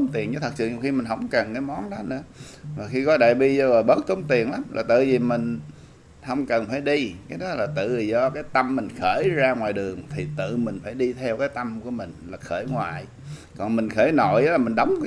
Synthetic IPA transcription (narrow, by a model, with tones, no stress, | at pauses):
ŋ͡mt̪i˨˩ənɲɨ˧˦t̪ʰt̚sɨ̰˧˨˩xi˧mi˨˩ŋ̟ɦə˧˩wŋ͡mkə˨˩nkaː˨˦jmɔ˨˦nɗɔ˨˦nɨ̰˧˥ə | maː˨˩xi˧kɔ˨˦ɗa̰ː˧˨jɓi˧zɔ˧zə˨˩jɓə˦˥t̚t̪o˨˦ŋ͡mt̪i˨˩ənla˨˦mlʔaː˨˩t̪ɨ̰˧˨zi˨˩mï˨˩ŋ̟ | hə˧wŋ͡mkə˨˩nfaː˧˩jɗi˧kaː˨˦jɗɔ˨˦laː˨˩t̪ɨ̰˧˨zi˨˩zɔ˧kaː˨˦jt̪ə˧mːï˨˩ŋ̟xəː˧˩jzaː˧ŋwaː˨˩jɗɨ˨˩əŋt̪ʰi˨˩t̪ɨ̰˧˨mï˨˩ŋ̟faː˧˩jɗi˧t̪ʰɛ˧wkaː˨˦jt̪ə˧mku˧˩əmï˨˩ŋ̟laː˨˩xəː˧˩jŋwa̰ː˧˨j | kɔ˨˩nmï˨˩ŋ̟xəː˧˩˦jno̰˧˨jʔlaː˨˩mi˨˩ŋ̟ɗə˨˦wŋ͡m